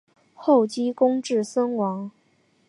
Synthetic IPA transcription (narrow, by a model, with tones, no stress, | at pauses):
xo˥˩ʊt͡ɕi˥kʊ˥ŋʈ͡ʂɻ̩˥˩sə˥nwɑ˧˥ŋ